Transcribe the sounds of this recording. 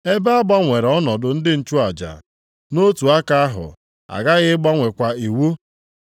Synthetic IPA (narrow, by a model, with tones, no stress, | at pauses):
e˦be˦a˦ɡ͡ba˦ŋʷe˨ɾɔ˦nɔ˨dʊ˨n̩˦dɪ˦n̩˨t͡ʃu˦a˨d͡ʒa̰˨ | no˦tu˨a˦ka˦a˦ɦʊ̰˨ | a̰˨ɡa˦ɣɪ˦ɡ͡ba˦ŋʷe˨kʷa˨i˨wu˦